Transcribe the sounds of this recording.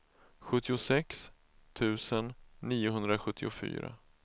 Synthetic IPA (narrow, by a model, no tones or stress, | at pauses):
ɧɵt̪ːɪʊsɛks | t̪ʰʉ̟ːsənːiːʊɦɵnd̪ɾaɧɵt̪ʰːɪʊfy̰ːɾa̰